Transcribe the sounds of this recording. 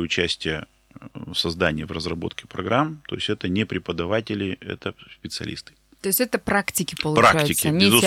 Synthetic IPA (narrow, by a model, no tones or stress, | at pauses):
ʊt͡ɕæsʲtʲɪjə | fsɐzd̪anʲɪjəvrəzrɐbo̞̰t̪kʲɪ̥pɾɐɡɾamt̪o̞̰ɪsʲtʲɛt̪ənʲɪpɾʲɪpəd̪ɐvatʲɪlʲɪɛ̰t̪əsʲpʲɪt̪sɨɐ̰lʲʔḭst̪ɨ̥ | t̪oɪsʲtʲɛt̪əpɾaktʲɪkʲɪpəlˠʊpɾakt͡ʃæjʊt̪ʲɪkʲɪənʲiz